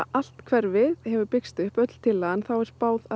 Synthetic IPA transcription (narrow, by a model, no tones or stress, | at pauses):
al̥t̪kʰvɛɾvɪðhɛvʏɾpɪkst̪ʏhpœt̪l̥t̪ʰɪlːaanθawɛɾspaːwða